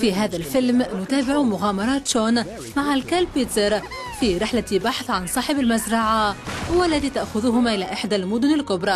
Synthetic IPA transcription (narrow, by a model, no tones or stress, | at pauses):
fiɦaːðalfɪlmnʊt̪aːbɪʕumʊɣaːmɑɾˤɑːt̪ʃoːn | maʕalkalpiːt̪əɾˤ | fiɾɪħlabaħθˤʕansˤɑːħɪbalmazɾˤɑʕawalːaðiːt̪aʔxʊðʊɦʊmaʔɪlaːʔɪħd̪almʊd̪ʊnɪlkʊbɾˤɑ